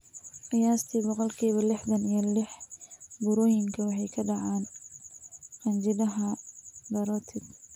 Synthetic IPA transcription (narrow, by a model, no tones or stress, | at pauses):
qɪjaːst̪ʰibɔqɔlkʰiːβɐlɪħðɐnijɞlɪħbʊɾɔːjɪŋkʰɐwɑħɑjkʰɐɖɑʕaːn | qɐnt͡ʃɪðɐɦɐd̪ɐɾɔt̪ʰɪd̪